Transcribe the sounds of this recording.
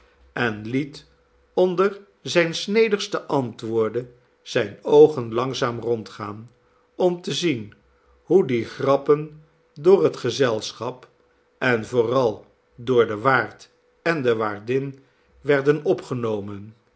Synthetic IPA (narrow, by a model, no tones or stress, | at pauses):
ɛnlit | ɔndəɹ | zɛjnsnejdəχstəʔɑntʋʊːɹdə | z̥ɛjnowχənlɑŋzaːmrɔntχaːn | ɔmtəzin | ɦudiχrɑpən | dʊːrɦətχəzɛlˠsχɑp | ɛnvʊːrɑlˠ | dʊːɹdəʋaːɹt | ɛndəʋaːɹdɪn | ʋɛɹdənɔpχənowmən